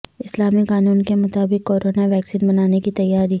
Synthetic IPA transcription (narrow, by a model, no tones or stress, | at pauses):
ɪslaːmikaːnuːnkemʊt̪aːbɪkːoːɾoːnaʋɛːksiːnbɐnaːnekit̪ɐjːaːɾiː